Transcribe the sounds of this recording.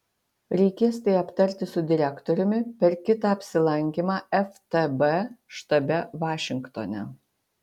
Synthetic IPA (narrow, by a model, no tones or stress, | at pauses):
ɾʲɛɪkʲeːst̪ɐɪɐpt̪ɐɾʲt̪ʲɪsʊd̪ʲɪɾʲækt̪ɔɾʲʊmʲɪpʲɛɾkʲɪt̪ɑːɐpʲsʲɪlˠɐŋʲkʲimɑːɛft̪ɛbɛʃt̪ɐbʲɛʋɑːʃʲɪŋkt̪oːnʲɛ̰